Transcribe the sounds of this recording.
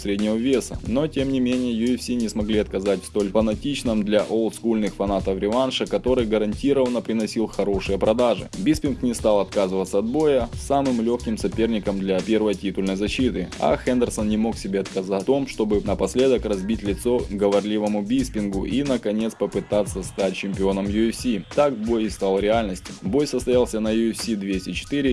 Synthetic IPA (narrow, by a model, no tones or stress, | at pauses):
sʲɾʲedʲnʲɪvəvʲe̞səno̞tʲe̞mnʲɪmʲenʲɪjəjʊɛfsʲinʲɪsmɐɡlʲiɐt̪̚kɐzatʲst̪o̞lʲfənɐtʲit͡ɕnɨmd̪lʲɐʔolˠt̪skulʲnɨxfɐnat̪əfɾʲɪvanʂəkɐt̪o̞ɾɨjɡəɾɐnʲtʲiɾəvənəpɾʲɪnɐsʲilˠxɐɾo̞ʂɨjəpɾɐd̪aʐɨ̰bʲispʲɪnknʲɪst̪alˠɐt̪kazɨvət̪sːəɐt̪̚bo̞jəsamɨmlʲoxkʲɪmsɐpʲe̞rnʲɪkəmd̪lʲɐpʲe̞rvəjtʲit̪ʊlʲnəjzɐɕːit̪ɨa̰xɛnd̪ʲərsənnʲɪmo̞ksʲɪbʲe̞ɐt̪kɐzat̪o̞mʂt̪o̞bɨnəpɐsʲlʲe̞d̪əkrɐzbʲitʲlʲɪt̪so̞ɡəvɐrlʲivəmʊbʲispʲɪnɡʊʔinəkɐnʲe̞t̪spəpɨt̪at̪sːəst̪at̚ʲt͡ɕɪmʲpʲɪo̞nəmjʊɛfsʲit̪akbo̞jɪst̪alˠɾʲɪalʲnəsʲtʲɪ̥bo̞jsəst̪ɐjalˠsʲənɐjʊɛfʲsʲid̪vʲesʲtʲɪt͡ɕɪ̥t̪ɨɾʲɪ